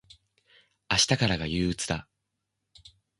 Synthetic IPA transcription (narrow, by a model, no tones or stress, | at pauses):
aɕi̥t̪akaɾaɡajɯ̟ːɯt͡sɨd̪a